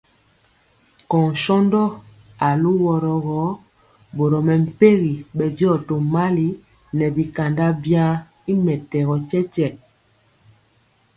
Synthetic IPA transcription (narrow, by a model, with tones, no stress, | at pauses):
kɔ˨ŋ˨ʃɔ˦ndɔ˦ | a˨lu˦wɔ˨ɾɔ˨ɣɔ˨˦ | bo˨ɾɔ˨mɛ˨m̩˨pe˦ɣi˨ɓɛ˨di˦ɔ˦˨to˨ma˦li˨ | nɛ˨bi˨ka˨nda˦bja˦ | i˦mɛ˨tɛ˨ɣɔ˨t͡ʃɛ˦t͡ʃɛ˨